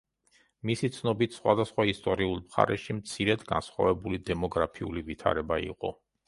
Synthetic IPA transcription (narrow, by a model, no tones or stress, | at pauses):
misit̪sʰnɔbit̪ʰsχwa̰d̪asχwaist̪ʼɔɾiulˠmχa̰ɾɛʃimt̪sʰiɾɛd̪ɡa̰nsχwa̰vɛbulid̪ɛmɔɡɾapʰiulivit̪ʰa̰ɾɛbaḭqʼɔ